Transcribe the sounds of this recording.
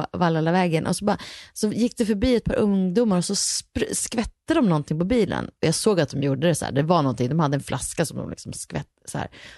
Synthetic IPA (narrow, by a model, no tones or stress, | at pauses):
valaːlːavɛːɡənʔɔ̰sɔbɑasɔjɪkːd̪ɛfœɾbiːɛt̪̚pʰɑ̰ːɾʔɵŋd̪uːmaɾɔsɔspɾskvɛt̪ːad̪ɔmnɔnt̪ʰɪŋpɔbiːlə̰nɔjɑːɡsoːɡat̪̚d̪ɔmjuːɖəd̪ɛsæ̰ːɖɛvanɔnt̪ɪŋd̪ɔmhad̪ːəɛnfla̰skasɔmd̪ɔ̰mlɪ̰ksɔmskvɛ̰t̪ːsæ̰ːɾ